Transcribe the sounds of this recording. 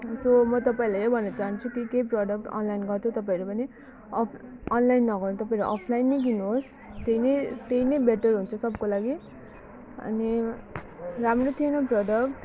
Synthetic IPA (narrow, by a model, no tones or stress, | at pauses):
somʌt̪ʌpaĩlaʌjbʱʌnːʌt͡saɦant͡sʰukikejprʌɖʌk̚ʈʌ̰nlainɡʌrt͡sʰut̪ʌpaĩɾupʌni | ʌpʌnlajnːʌɡʌrnut̪ʌpaĩɾuʔʌpʰlajinːʌɡinuɦos | t̪einʌt̪einʌjbeʈʌrɦunt͡sʰʌsʌbkolaɡi | ʌ̰ni | ramrot̪ʰienʌprʌɖʌkʈ